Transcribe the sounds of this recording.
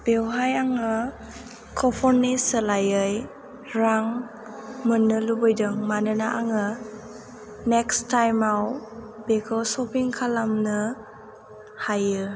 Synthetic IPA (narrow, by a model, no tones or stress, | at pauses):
b̥ewɦajaŋɯ | kʰɔpʰɔnnisəlajɯj | ɾaŋ | mɯnːɯlubɔjdɯŋmanɯnaʔaŋɯ | nekstajmawb̥ekʰɔlsɔpʰiŋkʰalamnɯ | hajɯ